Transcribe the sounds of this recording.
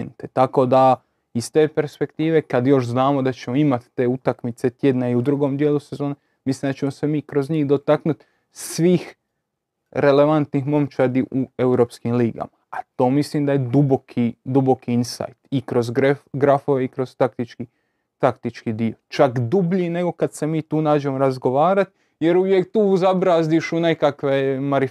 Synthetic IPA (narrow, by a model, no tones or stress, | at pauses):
nt̪et̪ako̞d̪a | ist̪e̞ːpe̞ɾspe̞kt̪iːʋe̞kad̪jo̞ʃznaːmod̪at͡ɕe̞mo̞imat̪ːe̞ːut̪akmit̪se̞t̪je̞d̪naiud̪ɾuɡo̞md̪jelˠuse̞zo̞ːne | misliːmd̪at͡ʃe̞mose̞miːkɾo̞zɲiːhd̪o̞t̪aknut̪ | sʋiːx | ɾe̞le̞ʋant̪nixmo̞mt͡ʃad̪iʔue̞uɾo̞ːpskimliːɡa̰maːt̪o̞ːmislimd̪ajed̪ubo̞kʰid̪ubo̞kiinsa̰jt̪ikɾo̞zɡeɡɾafoʋeikɾo̞zt̪ak̚t̪it͡ʃki | t̪akt̪it͡ʃkid̪io̞t͡ʃakd̪ubʎine̞ɡo̞kad̪se̞miːt̪uːnaːd͡ʒe̞moɾazɡo̞ʋaːɾat̪ | je̞ɾuʋjekt̪uːuzabɾaːzd̪iʃune̞kakʋemaɾi